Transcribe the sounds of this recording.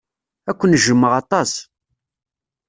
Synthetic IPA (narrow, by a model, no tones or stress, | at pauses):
ækʷːənʒəmːəʁɑt̪ˤɑs